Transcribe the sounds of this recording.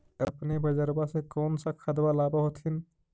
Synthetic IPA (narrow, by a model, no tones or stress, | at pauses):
əpnebəd͡ʒəɾbasekɔːnsakʰad̪walaːbaɦot̪ʰin